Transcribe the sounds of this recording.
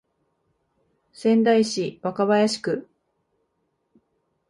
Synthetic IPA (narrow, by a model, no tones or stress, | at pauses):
sẽ̞nd̪aiɕiβakaβajaɕi̥kɯ̟